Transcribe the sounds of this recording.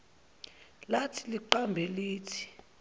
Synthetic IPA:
latʰiliǃambʱɛliːtʰi̥

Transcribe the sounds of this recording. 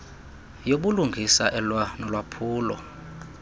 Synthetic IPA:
joɓuluŋɡʱisaʔɛlwanɔlwapʰuːlɔ̰

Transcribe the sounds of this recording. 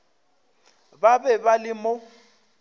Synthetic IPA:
babɛbalɪmoʊ

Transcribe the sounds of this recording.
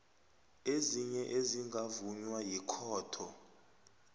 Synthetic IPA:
eziɲɛʔeziŋɡʱavuɲwajikʰɔːtʰɔ

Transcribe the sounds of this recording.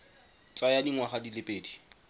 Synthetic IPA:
t͡sʼajadiŋwaχadilepʼeːdi

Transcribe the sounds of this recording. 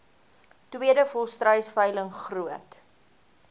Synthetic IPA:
twiədəfɔlˠstrəjsfəjləŋχruət

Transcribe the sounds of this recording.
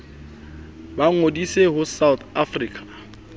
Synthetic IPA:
baŋodiseɦʊsawt̪afriːkʼʰḁ

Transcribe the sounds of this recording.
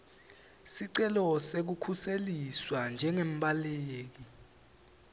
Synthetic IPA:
siǀɛlɔsek̬ukʰuseliswand͡ʒʱɛŋem̩ɓaleːk̬i

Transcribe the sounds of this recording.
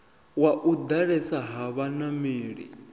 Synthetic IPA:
waʔud̪aɺɛsaɦaβanamiːɺḭ

